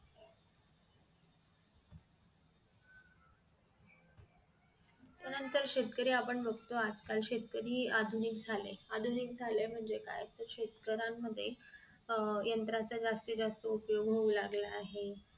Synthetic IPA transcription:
t̪ənənt̪əɾɕet̪kəɾiːapəɳbʱəɡt̪oad͡zkalɕet̪̚kəɾiːad̪ʱuniːk̚d͡zʱalḛad̪ʱuniːk̚d͡zʱalem̤əɳd͡zeka̰jt̪əɾɕet̪kəɾamːəd̪ʱːje | jənt̪ɾat͡sad͡zast̪id͡zast̪əupjoɡɦoulaɡlaːɦe

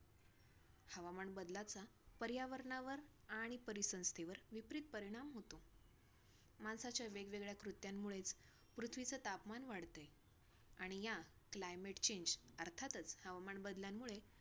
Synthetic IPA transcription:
həʋamaɳbəd̪lat͡sapəɾjaʋəɾɳaʋəɾ | aɽ̃ipəɾisə̃w̃st̪ʰeʋəɾʋipɾit̪̚pəɾiɽ̃amɦot̪o | mansat͡ɕjaʋeɡʋeɡɭjakɾut̪jamːuɭet͡s | pɾut̪ʰʋit͡sət̪apmanʋaɽt̪ə | aɽ̃ija | klajmeʈt͡ɕeɲd͡ʑəɾt̪ʰat̪ət͡shəʋaməɳbəd̪ljamːuɭe

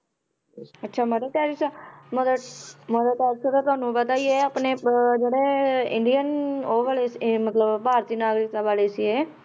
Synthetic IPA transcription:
ətːʃʰaːməd̪eːʈ̪aːɾisməd̪məd̪aːʈ̪aːɾsət̪aːt̪ʊaːnũːbət̪aːieːəpneːd͡ʒeːɽeːɪ̰ɳɖiənoːʋaːleːsmət̪ləbpaːɾt̪iːnaːɡɾɪk̚t̪abaːleːsieː

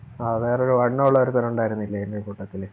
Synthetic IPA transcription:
ɐðeːroɾuʋɐɳːɐuɭːɐoɾut̪ɐɾɐuɳɖaːjiɾunːilːɐinːoɾukuʈːɐt̪ːil

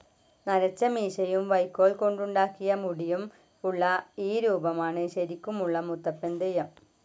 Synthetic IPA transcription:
nɐɾɐt͡ɕːɐmiːɕɐjumʋɐjkːoːɭko̞ɳɖuɳɖaːkːijɐmuɽijum | uɭːɐiːɾuːbɐmaːɳɨɕɐɾikʲːumuɭːɐmut̪ːɐpːend̪ejɐm

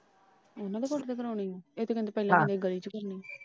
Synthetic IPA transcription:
onãːd̪eːkoʈd̪eːkəɾaːnĩːeːt̪eːkəneːpɛːlãnd̪eɡəliːt͡ʃkəɾniː

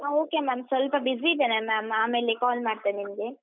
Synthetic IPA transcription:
aoːkemaːmsʋɐlpɐbiziːd̪eːnamaːmaːme̞ːlikaːlmaːɽt̪animɡe

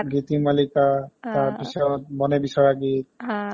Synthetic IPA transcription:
ɡit̪imalikat̪aɹpisɔt̪̚mɔnebisɔɹaɡit̪̚

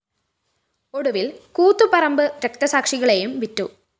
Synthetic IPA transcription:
oɽuʋilkuːt̪ːupɐrɐmbɨɾek̚t̪ɐsaːkʂiɣɐɭejumʋitːu

